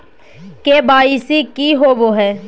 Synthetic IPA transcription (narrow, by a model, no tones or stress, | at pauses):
keːbaːisikiɦoːʋoːɦɛː